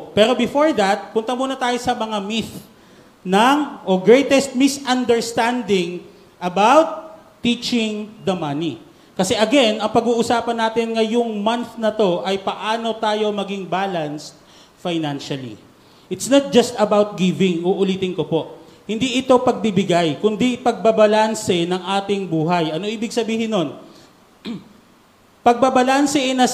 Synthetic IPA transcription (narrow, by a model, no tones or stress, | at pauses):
pɛːɾo̞bɪfoɹðɐt̪̚pʊnt̪ɐmuːnɐt̪aːjo̞sɐmɐŋamiθ | nɐŋʔoɡɹɛjt̪ɛst̪̚mɪsɐnd̪ɛɹst̪and̪ɪŋ | ʔɐbawt̪ː | it͡ʃɪŋd̪ɐmɐni | kɐsɛʔɐɡɛnɐŋpɐɡuːʔʊsaːpɐnːaːt̪ɪnŋɐjʊŋmɐnθnɐt̪o̞ʔɐjpɐʔaːno̞t̪aːjo̞mɐɡiŋbaːlɐnst̪̚ | fajnanʃɐlḭ | ʔɪt̪snɐt̪̚d͡ʒɐst̪ɐbawt̪̚ɡivɪŋʔoʔʊliːt̪ɪŋkopo̞ʔhɪnd̪iʔɪt̪o̞pɐɡ̚bɪbɪɡajkʊnd̪ipɐɡ̚bɐbɐlansɛnɐŋʔaːt̪ɪŋbuːɦɐjʔɐno̞ʔiːbɪɡsɐbiːhɪnːo̞n | pɐɡ̚bɐbɐlansɛʔɛnɐ